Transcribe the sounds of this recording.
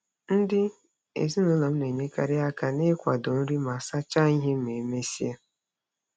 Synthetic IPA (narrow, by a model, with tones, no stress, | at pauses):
n̩˦dɪ˦ | ḛ˨zi˦nʊ˨˦la˨m̩˦ne˨ɲe˦ka˨ɾɪ˦a˦ka˨nɪ˦kʷa˨dʊ˨n̩˦ɾi˦ma˨sa˦t͡ʃa˦i˦ɦe˦m˨e˨me˦si˦a˦